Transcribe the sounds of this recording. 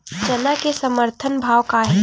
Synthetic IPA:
d͡ʒɐnakesɐməɾt̪ʰənbʱaːʋkaɦ

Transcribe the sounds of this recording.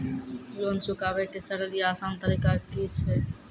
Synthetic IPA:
jont͡ʃukabekesəɽəliaːsant̪əɾikakit͡ʃʰɛ

